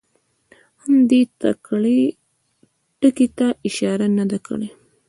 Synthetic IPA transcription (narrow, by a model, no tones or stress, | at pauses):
hamd̪et̪a̰kɽe | ʈəket̪aʔɪʃɑɾanad̪akə̰ɽe